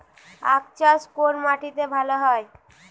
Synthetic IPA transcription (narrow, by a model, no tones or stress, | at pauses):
a̰kt͡ɕaskoɾmaʈit̪ebʱaloɦɔe